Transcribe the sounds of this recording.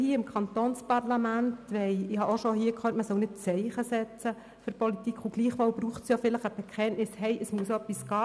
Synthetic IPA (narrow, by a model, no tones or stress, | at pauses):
hiːəɪmkʰχɑnt̪oːnspɑrlɑmæntʋɛɪɪhɑoʃɔhiːəkχøːtməsœwnɪt̚t͡sɛɪχəsɛt͡sə | fʏɾpɔlit̪ikʰχuɡ̥liːχʋoːlbɾuːχtsjofɪləχəb̥ɛkʰɛnnɪshɛɪʔəsmuəsoœpːisɡ̥ɑː